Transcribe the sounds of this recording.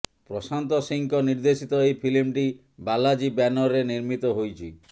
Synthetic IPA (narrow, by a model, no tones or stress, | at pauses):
pɾɔsant̪ɔsiŋkɔniɾd̪esit̪ɔejpʰilimʈi | balad͡ʒibanɔɾeniɾmit̪ɔɦojt͡ʃʰi